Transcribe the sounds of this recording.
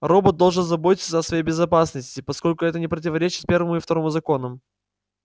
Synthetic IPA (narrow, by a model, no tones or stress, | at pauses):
ro̞bət̪̚d̪o̞lˠʐɨnzɐbo̞tʲɪt̪sʲsəɐsvɐjejʲbʲɪzɐpasnəsʲtʲɪpɐsko̞lʲkʊɛt̪ənʲɪpɾət̬ʲɪvɐɾʲet͡ɕɪt̪̚pʲe̞rvəmʊift̪ɐɾo̞mʊzɐko̞nəm